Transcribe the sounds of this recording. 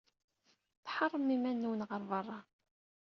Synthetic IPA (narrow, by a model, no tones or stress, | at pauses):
θħɑrˤːəmimænːuwənʁəɾˤvərˤːɑ